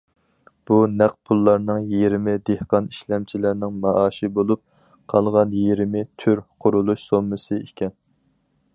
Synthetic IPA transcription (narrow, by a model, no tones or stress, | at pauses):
b̥unæq̚pʰulˠːɑɾnɨŋjeɾɪmɪd̪ehqɑniʃlɛmt͡ʃʰilæɾnɪŋmɑʔɑːʃibolˠup̚ | qʰɑlˠʁɑnjiɾɪmɪt̪ʰyɾqʰʊɾulˠuʃsomːɨsɨekʲʰɛn